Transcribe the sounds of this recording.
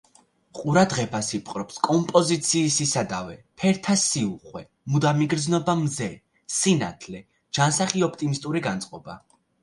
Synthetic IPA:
qʼuɾad̪ʁɛbasipʰʼqʼɾɔpskʼɔmpʼɔzit̪sʰiːsisad̪avɛpʰɛɾt̪ʰasiuχwɛ | mud̪amiɡɾd̪znɔbamzɛ | sina̰t̪ʰlɛ | d͡ʒansaχiɔpʰt̪ʼimist̪ʼuɾiɡant̪sʼqʼɔba̰

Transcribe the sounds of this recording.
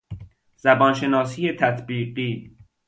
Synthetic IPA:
z̥æbɒːnʃe̞nɒːsiːjet̪ʰæt̪ʰbiːɢiː

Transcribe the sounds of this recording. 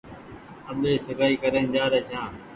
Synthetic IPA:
əɓeːsɪpaːiːkəɾeːnd͡ʒaːɾeːt͡ʃʰãː

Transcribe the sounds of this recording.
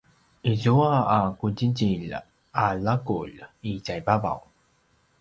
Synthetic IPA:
izuaakuɟiɟiʎ | alakṵʎiɟajbava̰w

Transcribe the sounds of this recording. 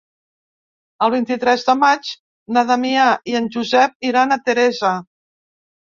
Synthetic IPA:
əlˠβint̪it̪ɾɛzðəmat͡ʃ | nəðəmiaʔiənʲʒuzɛp̚iɾanət̪əɾɛzə

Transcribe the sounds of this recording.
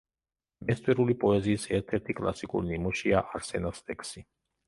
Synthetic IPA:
mɛst̪ʼwɛɾulipʼɔɛziːsɛɾt̪ʰɛɾt̪ʰikʼlˠa̰sikʼṵɾinimɔʃiaʔaɾsɛnast̪ʼɛksi

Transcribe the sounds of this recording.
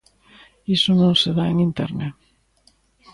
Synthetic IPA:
isonõŋseðaeŋint̪eɾne

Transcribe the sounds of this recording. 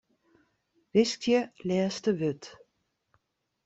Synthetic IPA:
ʋɪstjəlɛːstəʋøt

